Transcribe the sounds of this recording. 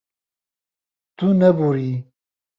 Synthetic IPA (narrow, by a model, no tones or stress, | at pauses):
t̪unɐbuɾi